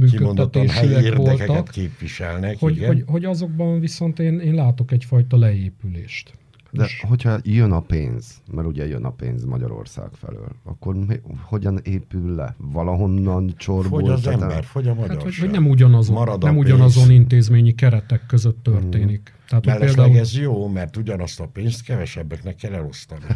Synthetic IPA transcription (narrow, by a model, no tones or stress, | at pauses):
myːkøonːɛt̪ːeːʃiɛeʋoɛlkɛt̪ɛt̪keːpʋiʃɛlnɛhoɟho̞ɟho̞ɟɒzo̞ɡ̚bɒɱviso̞nt̪eːneːnlaːt̪o̞kɛcfɒjt̪ɒlɛeːpyleːʃt̪ | d̪ɛɦo̞cʰhɒjønɒpḛːnz̥mɛɾuɟɛjø̰nɒ̰pḛːnzmɒɟɒ̰ɾo̞̰rsa̰ːkfɛ̰lø̰ːlɒ̰kːo̞rmho̞ɟɒneːpylːɛ̰vɒlɒɦo̞nːɒnt͡ʃorbozɛmbɛrhoɟɒmɒohonɛmuɟɒnɒzomɾɒd̪nɛmuɟɒnɒzonint̪eːzmeːɲikɛɾɛt̪ɛkːøzøt̪ːørt̪eːnik | t̪ɛɦaːt̪ɛlpeld̪aɛɡɛzjoːmɛrt̪uɟɒnɒst̪ɒpeːnst̪kɛvɛʃɛbːɛknɛkːɛlɛlo̞st̪ɒni